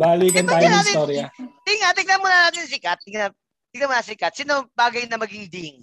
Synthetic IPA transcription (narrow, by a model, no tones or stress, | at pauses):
baliːkɐnt̪aːjʊnaːst̪oɾɪɐd̪ɪŋat̪ɪɡ̚lɐmʊnɐnaːt̪ɪnsɪkat̪̚ːɪŋnɐ | t̪ɪɡ̪ɐnmʊnɐsɪkɐt̪̚sinobaːɡɐjnɐmɐɡɪŋd̪ɪŋ